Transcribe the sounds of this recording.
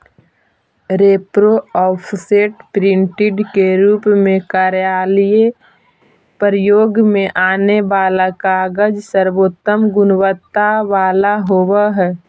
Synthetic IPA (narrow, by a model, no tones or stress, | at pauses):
ɾeːpɾoɔːpʰseːʈpɾɪ̃ɳʈɪɖkeɾuːpmẽkaːɾjaːlije | pəɾjoːɡmẽʔaːneʋaːlakaɡəd͡ʒsəɾwoːt̪ːəmɡʊnwət̪ːaʋaːlaɦoːwaɦɛː